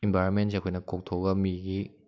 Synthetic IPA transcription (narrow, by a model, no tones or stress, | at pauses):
imbʱaɾɔnmensakʰojnɐkok̚tʰoɡɐmiɡi